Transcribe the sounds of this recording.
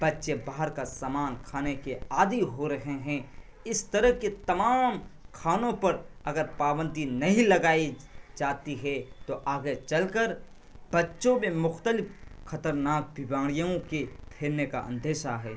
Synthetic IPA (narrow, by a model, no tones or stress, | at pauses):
b̥ɐtːʃebaːɦəɾkasaːmaːnkʰaːnekeaːd̪iɦoɾɐɦeɦɛ̃ː | ɪst̪ɐɾəɦket̪ɐmaːmkʰaːnõpɐɾɐɡəɾpaːbə̃nd̪inɐɦĩlɐɡaːi | d͡ʒaːt̪iɦɛt̪oʔaːɡet͡ʃɐlkəɾ | b̥ɐtːʃõmẽmʊxt̪əlɪpxɐt̪əɾnaːk̚bɪbaːɽ̃ijõkepʰeːɾneka̰ʔə̰̃nd̪ʱeːʃaɦɛː